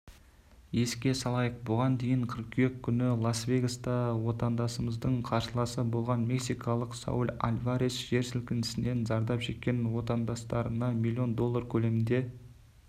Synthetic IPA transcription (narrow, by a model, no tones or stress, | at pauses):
je̞skʲe̞sɑlˠɑjəq̚bʊʁɑnd̪e̞jɪɴqʰəɾqʲʰekʲʰːʏnɪlˠasvʲe̞jɡast̪ɑwo̞t̪ɑnd̪ɑsəməzd̪əɴqʰɑɾʃəlˠɑsəbo̞lˠʁɑnme̞ksijkʰɑlˠəqsa̰wulʲa̰lʲvaɾesʒ̥e̞ɾsɪlkʲɪnɪ̥sɪne̞nzɑɾd̪ɑpʒe̞t̪̚kʲe̞nwo̞t̪ɑnd̪ɑst̪ɑɾənɑmʲilʲˠːio̞nd̪o̞lˠːɑɾkʲʰɵle̞mɪnd̪e̞